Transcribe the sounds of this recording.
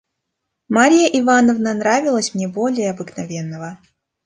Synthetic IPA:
maɾʲijəʔɪvanəvnənɾavʲɪlˠəsʲmnʲebolʲɪjəɐbɨknɐvʲe̞nːəvə

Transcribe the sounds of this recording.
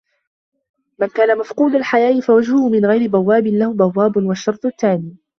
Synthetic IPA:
mankaːnamafquːd̪alħajaːʔɪfawad͡ʒhʊhʊmɪnɣajɾɪbawːaːbɪnlahʊbawːaːbnwaʃːɑɾˤt̪ˤt̪ːaːniː

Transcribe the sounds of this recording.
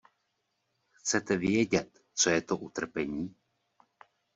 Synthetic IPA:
xt͡sɛt̪ɛvɪɛɟɛt̪ | t͡sojɛt̪oʔut̪r̩pɛɲiː

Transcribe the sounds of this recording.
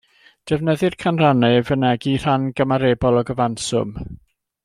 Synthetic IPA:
d̥ɛvnəðɨrkʰanranɛvənɛɡir̥anɡəmaɾeːbɔlˠɔɡəvansʊ̰m

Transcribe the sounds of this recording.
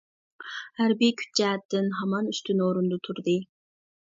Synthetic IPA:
hæɾbikʲʰy̥t͡ʃɛːɛt̪ːɪnɦɑmɑnyst̪ʰynoɾund̪ʊt̪ʰuɾd̪ɨ

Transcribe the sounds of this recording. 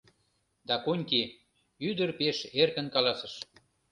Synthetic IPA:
d̪ɑkonʲki | yd̪ərpeʃerkə̆nkɑlɑsə̆ʃ

